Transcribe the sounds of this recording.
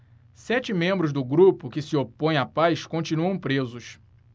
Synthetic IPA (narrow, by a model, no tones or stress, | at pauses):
sɛt͡ʃɪmẽmbɾʊzd̪ʊɡɾupʊkɪsiopõj̃apajskõt͡ʃinuɐ̃w̃pɾezʊs